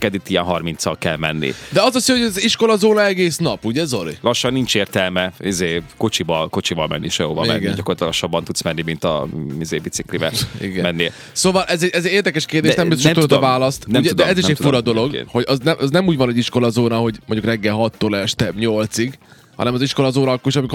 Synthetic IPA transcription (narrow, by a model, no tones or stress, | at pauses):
kɛd̪it̪ːiɛnɦɒrmint̪sɒlkɛlmɛnːḭd̪ɛɒzosihoɟɛziʃko̞lɒzoːnɒɛɡeːsnɒpuɟɛzo̞lḭlɒʃːɒnːint͡ʃeːrt̪ɛlmɛizeːko̞t͡ʃibɒlko̞t͡ʃivɒlmɛ̰nːiʃɛjoːvɒ̰mɛ̰ɡɛnɟɒkort̪lɒʃːɒbːɒnt̪ut̪smɛnːimint̪ɒ̰izeːbit̪siklibɛ̰ḭɡɛmɛnːe | soːvɒlʔɛzɛɟɛzɛɟeːrd̪ɛkɛʃkeːrd̪eːʃnɛmbizomt̪ud̪d̪vaːlɒst̪nɛuɟ̪ud̪ɛɛziʃɛcfuɾɒd̪o̞lo̞ɡ̰ho̞ɟɒznɛʔɒznɛmuːɟvɒnɛɟiʃko̞lɒzoːnɒɦo̞ɟmoɲɟukrɛɡːɛlɦɒt̪ːolɛʃt̪ɛɲo̞lt̪siɡ | hɒ̰nɛmɒziʃko̞lɒzoːnɒkːoʃɒmik